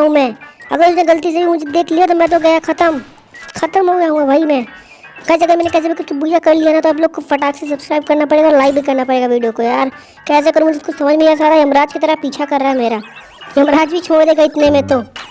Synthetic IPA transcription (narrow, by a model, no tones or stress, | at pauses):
ɦũmɛ̃ːɐ̰ɡəɾʊsnẽɡɐlt̪is̬ebʱimʊd͡ʒʱed̪eːkʰlijat̪̬omɛ̃ːt̪̬oɡɐjaxʰɐt̪əm | xɐt̪əmɦoɡjaɦũɡabʱaːimɛ̃ː | ɡɐːd͡ʒɐɡəɾmɛ̃ːnekɛːs̬ebikʊt͡ʃbuːjakɐɾlianat̪oɐbloːɡ̚kofɐʈaːkses̬ɐbskɾaːɪb̚kɐɾnapɐɽeːɡaɔːɾlaːɪk̚bʱikɐɾnapɐɽeːɡaʋiːɖijokojaːɾ | kɛːs̬ekɐɾũmʊd͡ʒʱeɪskosɐməd͡ʒʱmẽas̬aːd̪ajɐmɾaːd͡ʒkit̪əɾəpiːt͡ʃʰakɐɾːaaɦɛmeːɾa | jɐmɾaːd͡ʒbʱit͡ʃʰoːɽd̪eːɡaɪt̪nemẽt̪oː